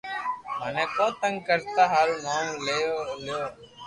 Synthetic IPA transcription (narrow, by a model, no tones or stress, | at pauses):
məːnɛ̃ːkõːt̪ə̃ŋɡkəɾt̪aːɦaːlnãːleːoljoː